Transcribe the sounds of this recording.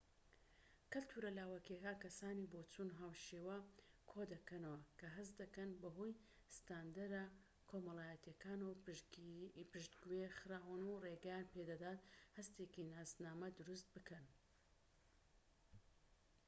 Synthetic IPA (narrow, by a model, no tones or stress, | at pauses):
kɨlt̪ʰuːɾɐlaːwɐkekaːnkɐsaːnibot͡sunɦaːwʃeːwɐkʰod̪ɐkɐnɐwɐkʰɐɦɨsd̪ɐkɐnbɐɦoj | st̪aːnd̪ɐɾa | kʰomɐlˠaːjɐt̪jɐkaːnɐw | pɨʒd̪ɡuwexɨɾaːwɐnureɡɛjanped̪ɐd̪aːt̪̚hɐst̪eːkinaːznaːmɐd̪ʊɾust̪̚bɨkʰɐn